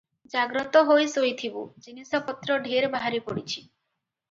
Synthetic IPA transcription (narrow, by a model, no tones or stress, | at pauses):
d͡ʒaɡɾɔt̪ɔɦojsojt̪ʰibṵd͡ʒinisɔpɔt̪ɾɔɖʱeɾbaɦaɾipɔɽit͡ʃʰi̥